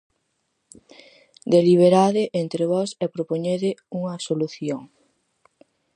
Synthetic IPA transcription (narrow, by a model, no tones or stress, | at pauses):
d̪eliβ̞eɾaðɪʔent̪ɾeβɔsɛpɾopoɲeðɪuŋɐsoluθjoŋ